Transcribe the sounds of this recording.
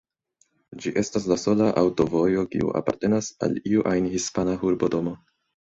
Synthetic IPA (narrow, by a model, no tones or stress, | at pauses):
d͡ʒiʔe̞stas̬laso̞laʔawto̞vo̞jo̞kḭṵʔa̰pa̰ɾte̞nasa̰liuʔajnhispanaɦuɾbo̞to̞mo̞